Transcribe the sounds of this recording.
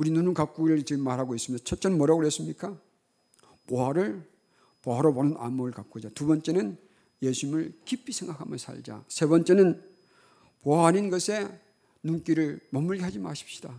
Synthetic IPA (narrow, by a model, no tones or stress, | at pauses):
uɾinunɯnkak͈uɡiɾɯɭt͡ɕimːaɾɦaɡois͈ɯmit͡ɕʰʌt̚t͡ɕ͈ʌnmʌɾʌɡɯɭɦes͈ɯmɲik͈a | poɦaɾɯɭ | poɦaɾʌbonɯnʔa̰muɾɯɭkak͈ud͡ʑatubʌnt͡ɕ͈e̞nɯn | jesʰuɲimɯɭkipʰːisʰe̞ŋɡakʰamjʌsʰa̰ɭd͡ʑa̰sʰe̞bʌnt͡ɕ͈e̞nɯn | poɦaɦaninɡʌsʰe̞ | nunk͈iɾɯɭmʌmːuɭɡiɦad͡ʑima̰ɕʰi̥p̚ɕ͈i̥d̥a